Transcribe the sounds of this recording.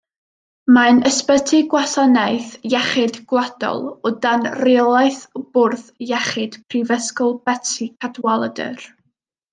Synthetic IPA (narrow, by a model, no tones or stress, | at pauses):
manəspətʰɪɡwasanajθjɛχɪdɡ̥lˠad̥ɔ̰lˠɔdanrɪɔlˠajθb̥ʊrθjɛχɪd̥pʰrivəskɔlˠbɛtʰikʰadwalˠədə̰r